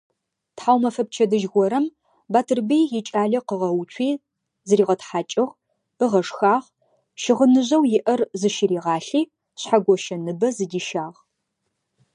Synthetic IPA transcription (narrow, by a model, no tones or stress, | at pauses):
tħaːwmɐfɐp̚t͡ʃʰɐdɨʒɣʷɔɾɐm | baːtʰɨrbijjɪt͡ʃʼaːɮɐqəʁɐwt͡ʃʷʰiː | zɨriːʁɐtħaːt͡ʃʼɪʁ | b̥ɨʁɐʂxaːʁ | ʃɪʁənɨʑɐwjɪʔɐrzɨʃɪɾiːʁɑːɬiː | ɕħaɡʷɔʃɐnɨbɐzɨdiːʃaːʁ